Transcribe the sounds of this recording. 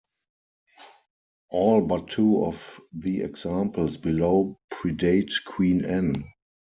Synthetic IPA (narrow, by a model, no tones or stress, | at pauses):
ʔɔːlbatʰːuːɔfðiɛ̰ɡzãmpl̩sbiloʊpʰɹideɪtkʰwĩːnɛ̃n